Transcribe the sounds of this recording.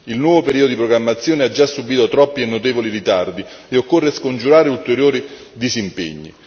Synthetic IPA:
ilnwɔːvopeɾiːd̪od̪ipɾoɡɾamːat̪sːjoːnead͡ʒːasːubiːt̪ot̪ɾɔpːienːot̪ɛːvoliɾit̪ard̪i | eokːorːeskond͡ʒuɾaːɾeult̪eɾjoːɾi | d̪izimpḛɲːḭ

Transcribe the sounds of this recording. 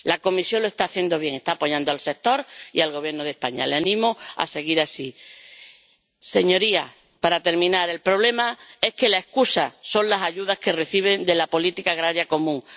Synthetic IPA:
lako̞misjo̞nloe̞st̪aːθje̞nd̪o̞βjeŋe̞st̪aːpo̞ʎand̪oalse̞k̚t̪o̞ɾḭalɣo̞β̞je̞ɾnoð̞e̞hpaɲa̰leanĩmoa̰se̞ɣiɾasi | se̞ɲo̞ɾia̰ | paɾat̪e̞ɾmĩnaɾe̞lpɾo̞βle̞mae̞hke̞lae̞hkusasõ̞nlasaʎuðahke̞re̞θiβ̞e̞nd̪e̞lapo̞lit̪ikaːɣɾaɾjako̞mũŋ

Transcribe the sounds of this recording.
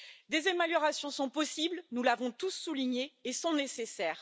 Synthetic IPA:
d̪ezameljɔʁasjɔ̃sɔ̃pɔsiblnulavɔ̃t̪usːuliɲeːsɔ̃nesesɛːʁ

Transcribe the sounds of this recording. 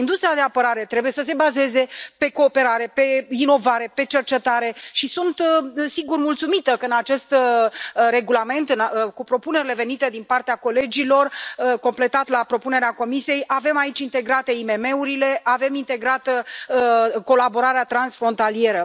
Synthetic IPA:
ind̪ust̪ɾiad̪e̞apəɾaɾe̞t̪ɾe̞buje̞səs̬e̞baze̞ze̞pe̞ko̞ːpe̞ɾaɾe̞pe̞ino̞vaɾe̞pe̞t͡ʃe̞rt͡ʃe̞t̪aɾe̞ʃisunt̪siɡurmult̪sumit̪əkəɨnat͡ʃe̞st̪ | re̞ɡulame̞nt̪ɨnkupɾo̞pune̞ɾile̞ve̞nit̪e̞d̪inpart̪eako̞le̞d͡ʒilo̞rko̞mple̞t̪at̪lapɾo̞pune̞ɾeako̞misie̞jʔave̞mait͡ʃʲint̪e̞ɡɾat̪e̞ime̞me̞uɾile̞ave̞mint̪e̞ɡɾat̪ə | ko̞labo̞ɾaɾeat̪ɾansfɾo̞nt̪alije̞ɾə

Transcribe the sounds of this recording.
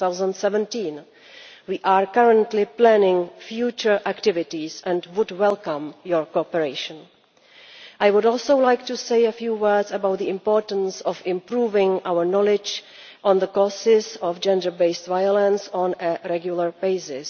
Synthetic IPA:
θawzə̃ntsɛvɛ̃ntĩn | wiːʔaːɹkaɹə̃ntlɪplænɪ̃ŋfjuːt͡ʃəɹʔæktɪvɪtisɛ̃ndwʊdwɛlkãmjɔɹkoɔpəɹeɪʃə̃n | ʔajwʊdɔlˠsowlajktuseɪəfjuːwɜ˞dzəbawt̪̚ðiɪ̃mpɔːɹtən̩sɔfɪ̃mpɹuːvɪ̃ŋʔawəɹnɔlɪd͡ʒ | ʔɔ̃nðəkɔsɪzɔfd͡ʒɛ̃ndə˞beɪstvajɔlə̃nsɔ̃nəɹɛɡjulˠəɹbeɪsɪs

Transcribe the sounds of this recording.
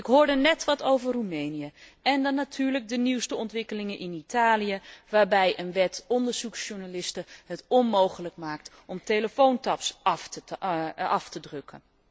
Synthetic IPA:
ɪkɦoːɹdənɛtʋɑtowvəɹrumejnijəɛndɑnːatʰyːɹlək̚dəniwstəɔntʋɪkəlɪŋənʔɪnitaːlijəʋaːɹbɛjʔənʋɛtɔndəɹz̥uksʃuɹnalɪstəɦətɔnmowχələkmaːk̚t | ɔmtejləfowntɑpsf | ɑftədrɵkə̰n

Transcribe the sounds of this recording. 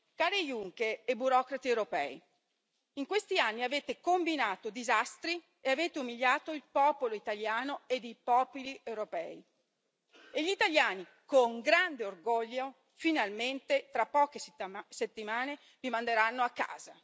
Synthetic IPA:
kaːɾejuŋkeɾebuɾɔːkɾat̪iewɾopɛ̰ːi | iŋkwest̪ianːiaveːt̪ekombinaːt̪od̪izast̪ɾi | eaveːt̪eumiʎːaːt̪oilpɔːpoloit̪aljaːnoed̪ejpɔːpoliʔewɾopɛ̰ːi | eʎːit̪aljaːni | koŋɡɾand̪eorɡɔʎːo | finalment̪et̪ɾapːɔːkeset̪ːimaːne | vimand̪eɾanːoakːa̰ːza

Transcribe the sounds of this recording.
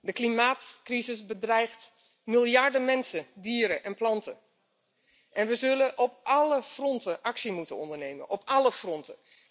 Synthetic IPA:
dəklimaːtkrizɪsbədrɛjχt | mɪlˠjɑɹdəmɛnsədiːɾəʔɛnplɑntə | ʔɛnʋəzɵlənʔɔpʔɑləfrɔntəʔɑksimutənɔ̰ndəɹnejmə̰nʔɔpɑləfrɔntə

